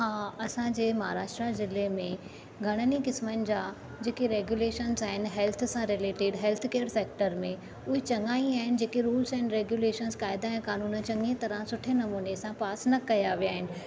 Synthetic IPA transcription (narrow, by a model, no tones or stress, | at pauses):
ɦãːɐsãd͡ʑeːmɐɦa̰ːɾaːʃʈɾazɪlemẽ | ɡʱɐɽ̃ənikɪsmənɪ̆d͡ʑaː | d͡ʑeːkeɾeːɡjuleːʃənzaːɦɪnɪ̆ɦɛːlt̪ʰsãɾɪleːʈɪːɖɦɛːlt̪ʰkeːəɾseːk̚ʈəɾmẽ | ʊɦet͡ɕɐŋɡaːĩaːɦɪnɪd͡ʑeːkeɾuːlzɛːnɾeːɡjuːleːʃənzkaːɪd̪aɛ̃kaːnuːnət͡ɕɐ̃ŋɡet̪ɐɾãsʊʈʰenɐmuːnesãpaːsnɐkɐjaʋijaːɦɪnɪ̆